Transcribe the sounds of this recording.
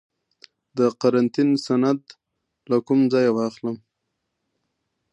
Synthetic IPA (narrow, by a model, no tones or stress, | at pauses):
d̪əqaɾant̪insanad̪ | lakumd͡zɑjawɑxləm